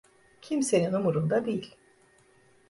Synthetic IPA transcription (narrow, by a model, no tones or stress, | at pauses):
cʰimse̞ninumuɾund̪ad̪ijilʲ